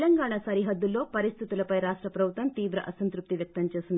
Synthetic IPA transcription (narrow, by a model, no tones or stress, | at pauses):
lɐŋɡaːɳasɐɾiɦɐd̪ːulːo̞ːpɐɾist̪ʰit̪ulɐpɐjɾaːʂʈɾɐpɾɐbʱut̪ːɐmt̪iːʋɾɐʔɐsɐnt̪ɾup̚t̪iʋjɐk̚t̪ɐmt͡ʃe̞ːsind̪